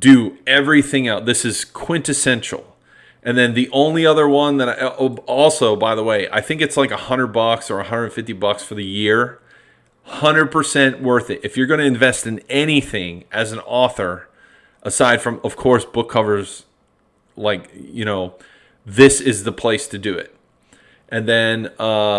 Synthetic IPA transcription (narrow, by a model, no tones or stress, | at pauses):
d̥ɨɛvɹiθɪ̃ŋaʊt̪̚ðɪsɨz̥kʰw̥ɪ̃ntɨsɛ̃nt͡ʃɹl̩ˠ | ʔɨ̃nðɨ̃nðiʔõʊ̃nliʌðə˞wʌ̃nðɨɾaɔlˠsoʊbaɪðəweɪʔa̰ɪθɪ̃ŋkɨtslaɪkəhʌ̃ndɹə˞d̚bɑksə˞əhʌ̃ndɹə˞dⁿn̩fɪftibʌksfə˞ðɨjɪɹ | hʌ̃ndɹəd̚pʰə˞sɛ̃nʔwɜ˞θɨtɨfjə˞ɡʌñɨɨ̃ɱvɛstɨ̃nɛɾ̃iθɪ̃ŋʔɨz̃n̩ɔθə˞ | ʔəsaɪd̥fɹʌ̃mʌv̥kʰɔɹsb̥ʊkʰːʌvə˞z̥ | laɪkjɨñoʊ | ðɪsɪzðəpʰl̥eɪstʰɨdɨɪ̰t̚ | ʔɨ̃nðɨ̃nʌ